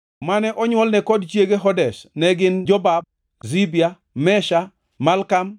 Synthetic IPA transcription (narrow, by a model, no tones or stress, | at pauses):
manɛʔɔɲwɔlnɛkɔdt͡ʃjeɡeɦɔdɛʃnɛɡɪnd͡ʒɔbab̚ | zibija | mɛʃa | malkam